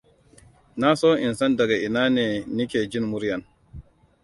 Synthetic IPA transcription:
na˦sɔː˦ʔi˨nsa˦nda˨ɡa˨ʔi˨naː˦nɛː˨ni˦kʲeː˨d͡ʒi˦nmu˦ɾja˨n

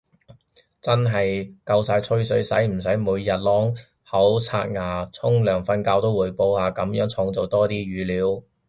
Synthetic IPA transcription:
t͡sɐ˥nɦɐ˨jkɐ˧wsaː˧jt͡sʰɵ˥ɥsɵ˨˥ɥsɐ˨˥jm̩˨˩sɐ˨˥jmuː˨˧jːɐ˨t̚lɔː˨˥ŋ | hɐ˨˥wt͡sʰa̰ː˧t̚ŋaː˨˩t͡sʰʊ˥ŋlœː˨˩ŋfɐ˧nkaː˧wt̪o˥wːuː˨˧jpo˧whaː˨˧kɐ˨˧˥mjœː˨˥ŋt͡sʰʊ˨˧˥ŋt͡so˨wt̪ɔː˥t̪iː˥ɥyː˨˧liː˨˥w

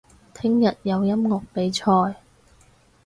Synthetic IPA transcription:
t̪ʰɪ˥ŋjɐ˨t̚jɐ˨˧wjɐ˥mŋʊ˨k̚pe˨˥jt͡ʃʰɔː˧j

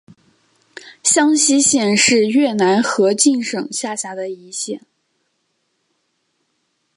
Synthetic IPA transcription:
ɕjɑ˥ŋɕi˥ɕjɛ˥˧nʂɻ̩˥˧ɥɛ˥˩na˧˥nxɤ˧˥t͡ɕi˥˩nʂɤ˨˩ŋɕja˥˩ɕja˧˥d̪ə˨i˧˥ɕjɛ˥˩n

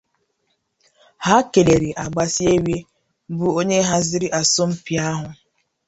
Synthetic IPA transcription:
ha˦ke˨le˨ɾi˨ʔa˨ɡ͡ba˨si˦e˦wje˦ | bu˦o˦ɲe˦ɦa˦zɪ˦ɾi˦ʔa˨sʊ˦m̩˦pi˨a˦ɦʊ˨

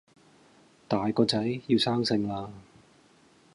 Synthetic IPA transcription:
t̪aː˨jkɔː˧t͡sɐ˨˥jji˧wsaː˥ŋsɪ˧ŋlaː˧

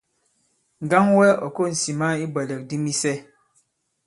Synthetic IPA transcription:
ŋ̩˨ɡa˦ŋwɛ˦ɔ˨ko˦˨n̩˨si˨ma˦i˦bɛ˨lɛ˨k̚di˦mi˦sɛ˦

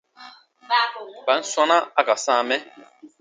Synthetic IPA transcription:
ba˨˦n̩˦sa˦na˦a˦ka˨sã˦˨mɛ˦

